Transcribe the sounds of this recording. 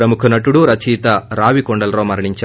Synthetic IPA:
ɾɐmukʰunɐʈuɽuɾɐt͡ʃiːt̪ɐɾaːʋikoɳɖɐlɐɾoːmɐɾɐɳiɲt͡ʃa

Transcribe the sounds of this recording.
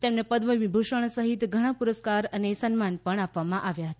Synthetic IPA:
t̪emnepəd̪ʋəmibʱuʃəɳ̃səɦit̪ɡʱəɽ̃ãpuɾəskaɾənesənmanpəɳapʋamãʔaʋjaɦət̪a

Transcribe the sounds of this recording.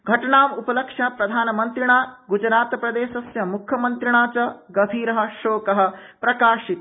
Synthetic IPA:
ɡʱɐʈɐɳaːmupɐlɐkʂɐpɾɐd̪ʱaːnɐmɐnt̪ɾiɳaːɡud͡ʒɾaːt̪ɐpɾɐd̪eːʃɐsjɐmukʰjɐmɐnt̪ɾiɳaːt͡ʃɐɡɐbʱiːɾɐɦɐ̆ʃoːkɐɦɐ̆pɾɐkaːʃit̪

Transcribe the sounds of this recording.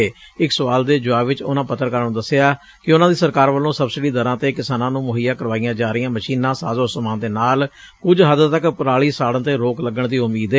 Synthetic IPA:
eː | ɪksəʋaːld̪eːd͡ʒʊaːʋɪt͡ʃʊnãːpət̪ːəɾkəɾənːd̪əsːeaː | kɪʊnãːd̪iːsəɾkaːɾʋəlːõːsəbsɪɖiːd̪əɾãːt̪eːkɪsaːnãːnũːmʊɦijãːkəɾʋaːijãːd͡ʒaːɾɪjãːməʃiːnːãːsaːzosmaːnd̪eːnaːl | kʊd͡ʒɦəd̪t̪əkpəɾaːɭiːsaːɽə̃t̪eːɾoːkləɡəɳd̪iːʊmiːd̪eː

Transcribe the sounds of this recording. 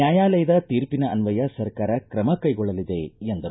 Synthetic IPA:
jaːjaːlɐjɐd̪ɐt̪iːɾpinɐːnʋɐjɐsɐɾkaːɾɐkɾɐmɐkɐjɡɔɭːɐlid̪eend̪ɐɾu

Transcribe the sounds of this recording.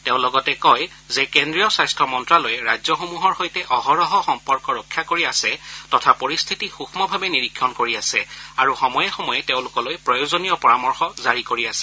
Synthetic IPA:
teʊ̃lɔɡɔtɛkɔj | zekendɹijɔsajstʰɔmɔntɹalojɛɹazɔxomuɦɔɹxojtɛʔɔɦɔɹɔɦɔxɔmpɔɹkɔɹɔkʰːjakoɹiasɛtɔtʰapoɹist̪ʰitixuxʰmɔbʱabɛniɹikʰːɔnkoɹiasɛaɹuxɔmɔjɛxɔmɔjɛteʊ̃lʊkɔlojpɹɔjozonijɔpɔɹamɔɹxɔzaɹikoɹiasɛ

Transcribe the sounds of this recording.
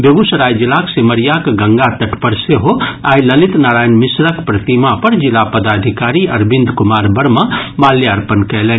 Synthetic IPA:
bebusɾaːjd͡ʒilaksiməɾijakɡəŋɡat̪ɐʈpəɾseɦoaːjləlit̪naɾaːjnmisɾəkpɾət̪imapəɾd͡ʒilapəd̪ad̪ʱikaɾiɐɾbind̪kumaːɾbəɾmɐmaljiəɾpənkɛjlɛn

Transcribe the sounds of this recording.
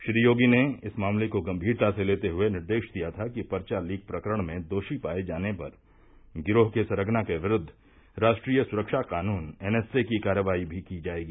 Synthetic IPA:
ʃɾiːjoːɡineɪsmaːmlekoɡɐ̃mbʱiːɾt̪aseleːt̪eɦʊenɪɾd̪eːʃd̪ijat̪ʰakipɐɾt͡ʃaliːɡ̚pɾɐkəɾəɽ̃mẽd̪oːʃipaːed͡ʒaːnepɐ̰ɾ | ɡɪɾoːɦkesɐɾəɡnakeʋɪɾʊd̪ʱː | ɾaːʃʈɾiːjəsʊɾəkʃaqaːnuːnɛːnɛːsekikaːɾjəʋaːibʱikid͡ʒaːeːɡiː

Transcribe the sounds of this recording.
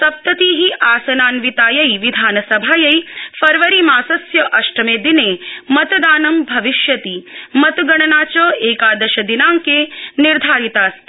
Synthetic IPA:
t̪ɐp̚t̪ɐt̪iːɦiʔaːsɐnaːnʋit̪aːjɐjʋid̪ʱaːnɐsɐbʱaːjɐjfɐɾʋɐɾimaːsɐsjɐʔɐʃʈɾɐmeːd̪ineːmɐt̪d̪aːnɐmbʱɐʋiʃjɐt̪imɐt̪ɡɐɳ̃ɐnaːt͡ʃɐːeːkaːd̪ɐʃɐd̪inaːŋkeːniɾd̪ʱaːɾit̪aːs

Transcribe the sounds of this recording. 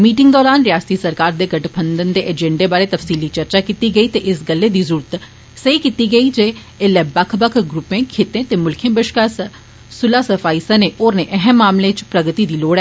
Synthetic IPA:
miːʈɪ̃ŋɡd̪ɔːɾaːnɾɪjaːst̪iːsəɾkaːɾd̪eːɡəʈbʰənd̪ənd̪eːʔɛd͡ʒɛ̃ɳɖeːbaːɾeːt̪əfsiːliːt͡ʃəɾt͡ʃaːkiːt̪iːɡəiːt̪eʔɪsɡəlːeːd̪iːzʊːɾət̪ | səiːkiːt̪iːɡəiːd͡ʒeː | lːɛːbəkʰbəkʰɡɾʊpẽːkʰeːt̪ẽːt̪eːmʊlkʰẽːbɪʃkaːs | sʊlaːsəfʰaːisaneːʔoːɾneːʔəɦɛmːaːmlẽt͡ʃpɾəɡət̪iːd̪iːloːɽɛː

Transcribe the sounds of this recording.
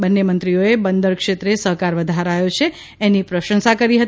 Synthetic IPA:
bənːemənt̪ɾioebənd̪əɾkʂet̪ɾesəɦkaɾʋəd̪ʱaɾajot͡ʃʰeː | nipɾəʃə̃nsakəɾiɦət̪

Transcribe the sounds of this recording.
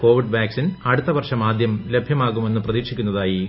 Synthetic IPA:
ko̞ːʋiɖʋaːksinɐɽut̪ːɐʋɐrʂɐmaːd̪ʱjɐmle̞bʱjɐmaːɣume̞nːɨprɐðiːkʂikʲːunːɐðaːji

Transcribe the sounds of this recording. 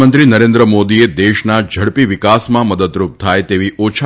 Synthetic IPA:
ənt̪ɾinəɾend̪ɾəmod̪ied̪eʃnad͡ʒʱəɽpiʋɪkasmãməd̪əd̪ɾup̚t̪ʰajt̪eʋiʔot͡ʃʰ

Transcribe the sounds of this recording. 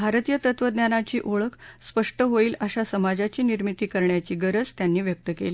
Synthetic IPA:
bʱaɾt̪ijət̪ət̪ʋəd̪njanat͡ɕiːʔoɭəkspəʂʈəɦoiːlaɕasəmad͡zat͡ɕiːniɾmit̪iːkəɾɳjat͡ɕiːɡəɾəd͡zt̪janːiːʋjək̚t̪əkḛliː

